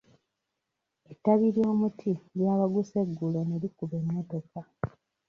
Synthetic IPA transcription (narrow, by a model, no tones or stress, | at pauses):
etːaβiɾjo̞ːmutʰiljaːβaɡuse̞ɡːuleneɾikuβe̞ːmweːte̞ka